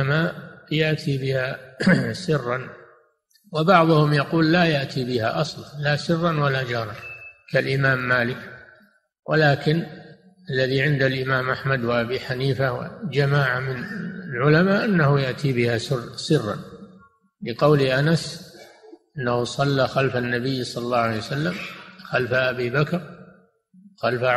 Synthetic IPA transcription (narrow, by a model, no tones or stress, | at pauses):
maʔjaʔt̪ʰibɪha | sɪrːɑn | wabɑʕðˤʊhʊmjɑquːlːajaʔt̪ʰibɪha̰ʔɑsˤlɑnlasɪrːɑnwalad͡ʒɑːɾˤɑnkalʔɪmaːmːaːlɪk | wʔa̰laːkɪn | ʔalːaðiʕɪnd̪alʔɪmaːmʔaħmad̪waʔabiːħaniːfahwa̰d͡ʒamaːʕamɪnɪlʕʊlamaːʔanːahʊjaʔt̪ʰibɪhasɪrsɪrːɑ̰n | lɪqɑwliʔanas | ʔɪnːahusˤɑlːaxalfanːabɪjːsˤɑllːɑːʕalejwasalːamxalfaʔabibakɾ | xalfa